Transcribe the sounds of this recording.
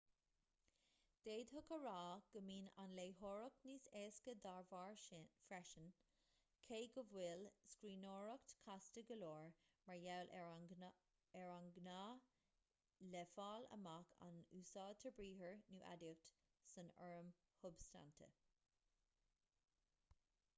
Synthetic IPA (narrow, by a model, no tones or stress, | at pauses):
d̪̥eːd̪ɦʊkəɹaːɡ̥əmiːna̰nleːɦoɹəkniːseːskəd̪aɹvɑːɹfɹɛʃən | kʰeːɡəvwɪlskɹiːnoːɹəkt̪kʰastəɡəloːɹ | məɹjawlʔ | ɛɹaŋɡnaː | lɛfaːlə̰makʰa̰nuːsɑːd̚t̪ʰəbɹiːɦəɹnuːʔa̰dut | sənəɹəm | hʊbsta̰nt̪ʰə̰